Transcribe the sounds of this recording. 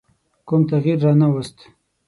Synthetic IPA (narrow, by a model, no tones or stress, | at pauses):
kumt̪aɣiɾːɑnawast̪